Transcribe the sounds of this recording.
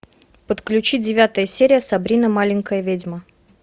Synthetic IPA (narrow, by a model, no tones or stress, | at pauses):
pət̪klʲʉt͡ɕidʲɪvʲat̪əjəsʲeɾʲɪjəsɐbɾʲinəmalʲɪŋʲkəjəvʲedʲmə